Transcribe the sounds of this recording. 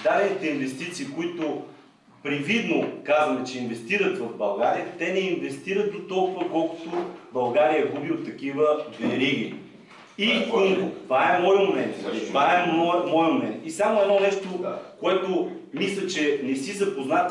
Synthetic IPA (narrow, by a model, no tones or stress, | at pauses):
d̪ad̪ɛnit̪ɛinvɛst̪it̪siːkoit̪o | pɾivid̪nokazvɐmɛt͡ʃɛinvɛst̪iɾət̪vɐvbɐlˠɡaɾijət̪ɛnɛinvɛst̪iɾət̪̚d̪ot̪ɔlˠkʊvɐkɔlˠkʊ̥t̪obɐlˠɡaɾijəɛɡubiot̪ːɐkivəvɛɾiɡ̟ḭ | ikɤmɡot̪vaɛmɔjmomɛnt̪nit̪vaɛɔmɔjəmomɛnt̪isamoɛd̪nɔnɛʃt̪okoɛt̪o | mislʲət͡ʃɛnɛsizɐpoznat̪